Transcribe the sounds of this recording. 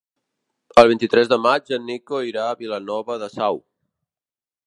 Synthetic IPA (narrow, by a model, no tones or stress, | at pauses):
əlˠβ̞int̪it̪ɾɛzðəmad͡ʒənːikoiɾaəβilənɔβəðəsaw